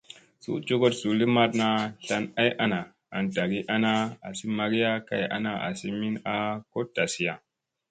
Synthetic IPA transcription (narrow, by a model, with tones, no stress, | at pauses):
sṵ˦d͡ʒo˦ɡo˦tsu˨li˦ma˦tna˧ɬa˧na˦ja˦na˨ | a̰˨nda˨ɡi˦ʔa˦na˦a˨si˦ma˨ɡi˦ja˦ka̰˦ja̰˦na˦ʔa̰˨si˦mi˦na˦ko˦da˨si˨ja˨